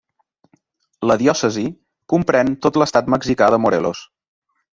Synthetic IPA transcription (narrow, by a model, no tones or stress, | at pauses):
ləðjɔsəzi | kumpɾɛnt̪ot̪ləst̪at̪məɡzikaðəmuɾḛlo̰s